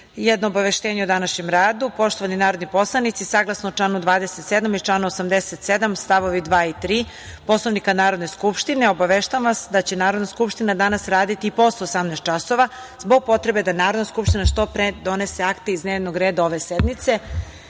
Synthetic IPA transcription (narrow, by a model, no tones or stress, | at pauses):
jɛd̪noːbaʋeʃt̪eːɲeud̪anaʃɲemɾaːd̪upo̞ʃt̪oʋaninaːɾo̞d̪nipo̞slˠanit̪sisaɡlˠasnout͡ʂlˠaːnud̪vʋaːd̪eset̪sed̪amit͡ʃlaːnuosamd̪eset̪sed̪amst̪aʋoʋid̪ʋaːit̪ɾiː | po̞slˠoʋnikanaːɾo̞d̪ne̞skupʃt̪ineo̞baʋeʃt̪aaʋasd̪at͡ɕenaːɾo̞d̪naskupʃt̪inad̪anasɾaːd̪it̪iːpo̞st̪oːsamnast̪t͡ʃasoʋa | zbo̞ɡ̚po̞t̪ɾebe̞d̪anaːɾod̪naskupʃt̪inaʃt̪o̞pɾed̪o̞neseakt̪eizd̪neːʋnoɡɾeːd̪ao̞ʋe̞sɛd̪mit̪se